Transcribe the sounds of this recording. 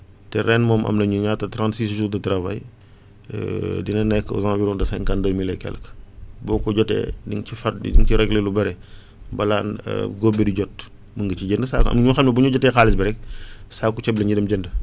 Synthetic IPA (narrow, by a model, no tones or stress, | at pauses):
tɛɾɛnmɔːmʔɐ̰mnɐɲuɲatːɐtɾãntsiːsʃutɐtɾɐvɐj̰ | dinɐnɛkːɔ̰zãːviɾɔ̃ndɐsɛŋkɐndəmilɛkɛ̰lkbɔːkɔɟɔtɛ̰ːdiŋcifɐḭdiŋt͡ʃiɾɛɡlelubɐɾɛ | bɐlaːnə̰ɡɔbiduɟɔt̚ | məŋɡət͡ʃiɟəndəsaɐ̰mɲuxɛmlɐbuɲuɟɔtːɛːxaːlisbɛɾɛk̚saːkːut͡ʃɛblɐɲudɛmɟəndə